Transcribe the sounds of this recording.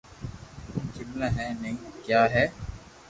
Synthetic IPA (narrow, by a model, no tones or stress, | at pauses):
kimlɐɦɛːneŋkjaːɦɛː